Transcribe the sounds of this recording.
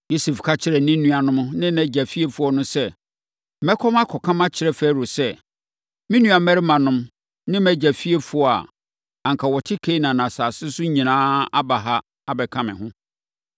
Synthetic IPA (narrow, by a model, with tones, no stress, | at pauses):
jo˦se˨fkʰa˦t͡ɕʰɪ˦ɾɛ˨nɪ̃˦nːũ˦a˨nʊ̃˦m̃˦nɪ̃˦næ˨d͡ʑæ˨fi˦e˦fʊ˦ɔ˨˦nʊ̃˦sɛ˦˨ | mɛ˦kʰɔ̃˦mã˦kʰɔ˨kʰã˦mã˦t͡ɕʰɪ˨ɾɛ˦fɛ˦˨ɾo˨sɛ˦ | mĩ˦nũ˦a˨mɛ˦ɾɪ˦mã˨nʊ̃˦m | nɪ̃˦mɛ˦d͡ʑæ˨fi˦e˦fʊ˨˦ɔ˨a̰˨ | ã˨ŋ˨kʰa˨wɔ˨tʰɪ˦kʰe˦nã˨nã˨saː˨sɪ˦sʊ˦ɲĩ˨nãː˦a˦ba˨ɦa˦ | a˦bɛ˨kʰã˦mɪ̰̃˨ɦʊ̃˦